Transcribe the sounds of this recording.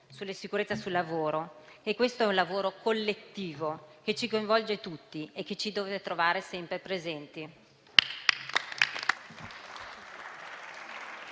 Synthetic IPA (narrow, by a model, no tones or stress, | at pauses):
sulːesikuɾet̪sasulːavoːɾo | ekːwest̪oɛunlavoːɾokolːet̪ːiːvok̟et͡ʃikoiɱvɔld͡ʒet̪ut̪ːiekːet͡ʃid̪oːvet̪ɾovaːɾesɛmpɾepɾezɛnt̪i